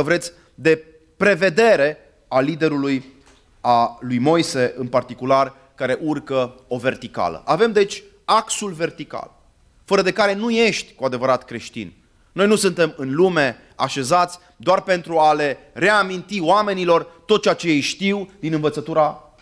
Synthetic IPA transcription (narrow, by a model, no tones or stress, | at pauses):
əvɾe̞t̪sʲ | d̪e̞ | pɾe̞ve̞d̪e̞ɾe̞ | alid̪e̞ɾuluj | alujmo̞jse̞ʔɨnpart̪ikular | kaɾe̞ʔurkəo̞ve̞rt̪ika̰lə̰ʔave̞md̪e̞t͡ʃʲ | aksulve̞rt̪ika̰l | fəɾəd̪e̞kaɾe̞nuje̞ʃt̪ʲkuad̪e̞vəɾat̪kɾe̞ʃt̪ḭn | no̞jnusunt̪e̞mɨnlume̞ | a̰ʃe̞zat̪sʲ | d̪oarpe̞nt̪ɾuale̞re̞amint̪ioame̞nilo̞rt̪ot̪̚t͡ʃeat͡ʃejejʃt̪iwd̪inɨnvət̪sət̪uɾa